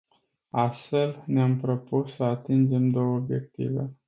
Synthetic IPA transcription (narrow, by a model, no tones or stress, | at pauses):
ast̪fe̞lneampɾo̞pusːəat̪ind͡ʒe̞md̪o̞wəobje̞k̚t̪ḭve̞̰